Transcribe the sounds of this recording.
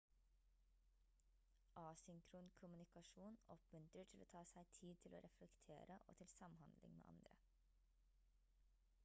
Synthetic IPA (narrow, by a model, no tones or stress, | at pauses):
ʔɑːsʏŋkʰɾuːnkʰʊmʉnɪkɑʃuːnɔpmʉnt̪ɾəʈʰɪloːt̪ʰɑːsæɪt̪ʰiːd̪̚t̪ʰɪlo̰ːɾʔɛflɛkt̪ʰḛːɾəʔo̰ːt̪ʰɪlsɑmhɑnd̪lɪ̰ŋmḛːɑ̰nd̪ɾə